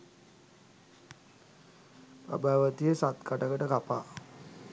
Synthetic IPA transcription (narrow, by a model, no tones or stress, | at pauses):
pɾa̰bʱaːʋət̪ijəsat̪kaʈəkəʈəkapaː